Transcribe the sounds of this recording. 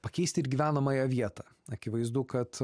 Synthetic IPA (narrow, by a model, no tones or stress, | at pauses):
pɐkʲɛɪsʲt̪ʲɪɾɡʲiʋʲæːnɐmɐːjɛʋʲiɛt̪ɐː | ɐkʲɪʋɐɪzd̪ʊkɐt̪